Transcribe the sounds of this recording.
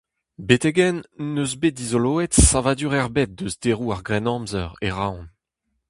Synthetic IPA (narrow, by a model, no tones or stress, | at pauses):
bet̪eɡɛnːøzbet̚dizoloːɛtsavad̪yʁɛʁbɛt̚d̪øzdeʁuaʁɡʁɛnɑ̃mzœ̰ʁeʁaw̃n